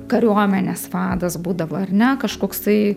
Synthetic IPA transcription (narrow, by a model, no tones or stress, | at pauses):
kɐɾʲuɔmʲɛnʲesʋɑːd̪ɐsbuːd̪ɐʋoːɐrnʲɛkɐʃkoːkst̪ɐɪ